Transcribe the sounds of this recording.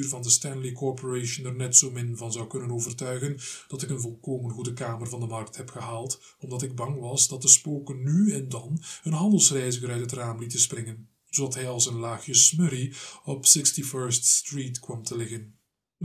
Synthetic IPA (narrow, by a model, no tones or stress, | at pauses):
rvɑndəstɛnlikɔɹpɔɹeːʃənɛrnɛtsoːmɪnvɑnzɑwkɵnənoːvərtœɥɣənd̥ɑtɪkənvɔlˠkoːmənɣudəkaːmərvɑndəmɑrk̚thɛpxəɦaːlˠt | ɔmdɑtɪɡ̚bɑŋʋɑsdɑt̚dəspoːkənːyɛndɑnənɦɑndəlˠsrɛjzɪɣəɾœɥtɦətraːmlitəsprɪŋən | zodɑtɦɛjɑlˠsənlaːxəsməɾiɔpsɪkstifɜɹststriːtkwɑmtəlɪɣən